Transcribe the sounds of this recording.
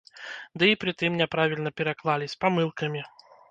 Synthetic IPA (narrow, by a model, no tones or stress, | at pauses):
d̪ɨipɾɨt̪ɨmnʲɛpɾavʲilʲnɐpʲɛɾaklˠalʲisʲpamɨlˠkɐmʲi